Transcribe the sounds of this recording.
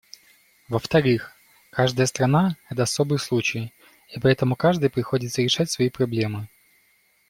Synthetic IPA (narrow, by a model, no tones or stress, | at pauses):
vəft̪ɐɾɨx | kaʐd̪əjəst̪ɾɐnaɛt̪əɐso̞bɨjslˠut͡ɕɪj | ipɐɛt̪əmʊkaʐd̪ɨjpɾʲɪxo̞dʲɪt̪səɾʲɪʂatʲsvɐipɾɐblʲemɨ